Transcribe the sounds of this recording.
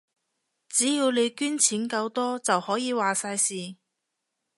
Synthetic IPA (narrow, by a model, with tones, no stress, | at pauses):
t͡siː˨˥jiː˧wle˨˧jkyː˥nt͡sʰiː˨˥nkɐ˧wt̪ɔː˥t͡sɐ˨whɔː˨˥jiː˨˧waː˨saː˧jsiː˨